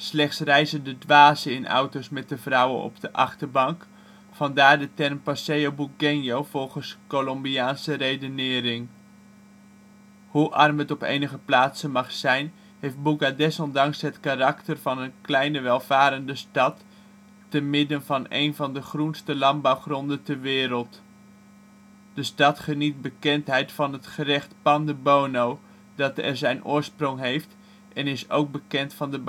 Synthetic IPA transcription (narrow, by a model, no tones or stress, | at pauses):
slɛχtsrɛjzəndədʋaːzəɪnʔa̰wtosmɛt̚dəvrʌwənɔ̰b̚dəʔɑχtərbɑŋk | fɑndaːɹdətɛrmpasejowbuɡɪnjowvɔlˠχənskolɔmbiaːnsərejdənɪːɾɪŋ | huʔɑrmətɔpḛjnəχəplaːtsənmɑχsɛjn | hejft̚buɡadɛsɔndɑŋsɦətkarɑktərv̥ɑnənklɛjnəʋɛlˠv̥aːɾəndəstɑtː | ənmɪdənvɑnḛjnvɑndəχrunstəlɑnbɑwχrɔndəntəɹʋɪːɾəlˠt | d̥əstɑtχənit̚bəkɛntɦɛjtfɑnətχərɛχtpɑndəbownow | dɑtɛɹzɛjnʔʊ̰ːɹsprɔŋɦejft | ʔɛnɪso̰wɡ̚bəkɛntfɑndəb